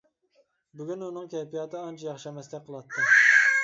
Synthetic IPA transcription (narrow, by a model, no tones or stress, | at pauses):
bʊɡʲynunɨŋkʲʰɛpijɑt̪ʰɨɑnt͡ʃʰɛjɑχʃɛmɛslɪk̚ʲqʰəlˠɑt̪ʰːɨ